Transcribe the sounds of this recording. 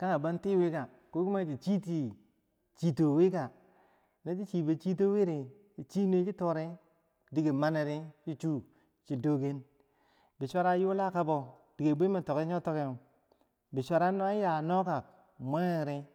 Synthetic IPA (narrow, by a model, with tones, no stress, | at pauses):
ka˦ŋa˨ba˦nti˦wi˦ka˨ | ko˦ku˦ma˦d͡ʒi˨t͡ʃi˦ti˨ | t͡ʃi˨to˨wi˦ka˨ | ne˦t͡ʃi˦t͡ʃi˨be˨t͡ʃi˦t̬o˦we˦ɾe˨ | i˨t͡ʃi˦ne˦t͡ʃi˦to˦ɾe˦ | di˨ɡe˨ma˦ne˨ɾe˦t͡ʃi˦t͡ʃu˦ | t͡ʃi˨do˦ɡe˦n | bi˨sʷa˦ɾa˦ju˦la˦ka˦bo˨di˨ɡe˨bi˦me˨to˨ke˦o˦to˦ke˦˨ | bi˨sʷa˨ɾa˦no˦a˦ja˨no˦ka˨k | mʷa˦ŋe˦˨ɾe˦